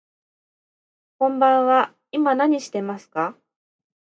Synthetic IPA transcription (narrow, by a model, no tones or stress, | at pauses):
kõ̞mbãɰ̃βa | imanaɲ̟iɕi̥t̪e̞masɨ̥ka